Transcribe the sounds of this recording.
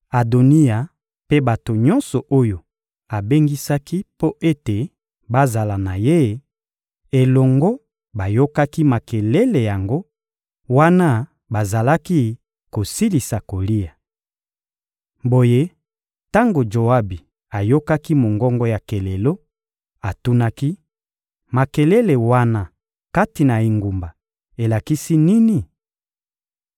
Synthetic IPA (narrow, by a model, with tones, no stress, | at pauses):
a˨do˨ni˦a˨ | pe˦ba˨to˨ɲɔ̃˦nsɔ˨ʔo˦jo˨ | a˨be˦ŋɡi˦sa˦ki˦po˦ʔe˦te˨ | ba˦za˨la˨na˨je˦ | e˨lɔ˨ŋɡɔ˦ | ba˨jo˦ka˦ki˦ma˨ke˨le˦le˨ja˨ŋɡo˦ | wa˦na˦ | ba˨za˨la˦ki˦ | ko˨si˦li˨sa˨ko˨li˦a˨ | bo˨je˦ | ta˦ŋɡo˨d͡ʒo˨a˦bi˨ | a˨jo˦ka˦ki˦mo˨ŋɡɔ˦ŋɡɔ˦ja˨ke˨le˨lo˦ | a˨tu˦na˦ki˦ | ma˨ke˨le˦le˨wa˦na˦ | ka˦ti˨na˨i˨ŋɡu˨mba˨ | e˨la˨ki˦si˦ni˦ni˨